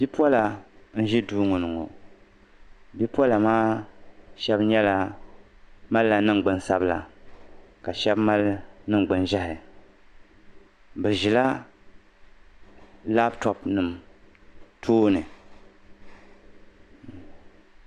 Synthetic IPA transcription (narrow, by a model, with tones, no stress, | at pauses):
bi˦pɔ˦la˨n̩˦ʒɛ˦duː˦ŋʊ˨nɨ˨ŋo̰˨ | bi˦pwɔ˦la˨maː˦ | ʃɛ˦bɲɛ˦la˨ | ma˦lla˨nɨ˦ŋ˨ɡ͡bɨ˦nsa˦bla̰˨ | ka˨ʃɛ˦bma˦lnɨ˦ŋ˨ɡ͡bɨ˨nʒa˦hɪ˨ | bɨ˨ʒi˨la˦ | la˦btɔ˨pnɨ˨m | tʰoː˦nɨ˨